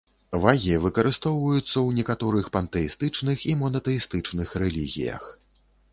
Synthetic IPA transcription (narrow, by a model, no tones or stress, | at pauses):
vaɣʲivɨkɐɾɨst̪ɔwvɐjut̪sːɐwnʲɛkat̪ɔɾɨxpɐnt̪ɛist̪ɨt͡ʂnɨximɔnɐt̪ɛist̪ɨt͡ʂnɨxɾɛlʲiɣʲḭjɐ̰x